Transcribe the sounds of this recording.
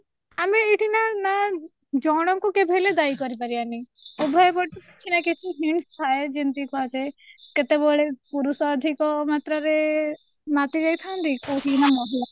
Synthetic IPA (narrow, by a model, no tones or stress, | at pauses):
ameːʈʰinana | d͡ʒɔɽ̃ɔŋkukebʱeled̪ajkɔɾipaɾianiobʱɔjbɔʈikit͡ʃʰinakit͡ʃʰiɦiɳst̪ʰaed͡ʒint̪ikuat͡ʃeket̪ebɔɭepuɾusɔːd̪ʱikɔmat̪ɾɔɾe | mat̪id͡ʒajt̪ʰant̪ikoɦinamɔɦila